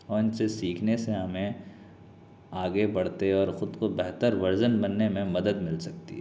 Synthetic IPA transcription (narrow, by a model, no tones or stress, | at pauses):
ɔːɾɪnsesiːkʰneseɦɐmẽ | aːɡebɐɽ̤t̪eɔːɾxʊd̪kobɛɦt̪əɾʋɐɾzənbɐnːemẽmɐd̪əd̪mɪlsɐk̚t̪ḭɦ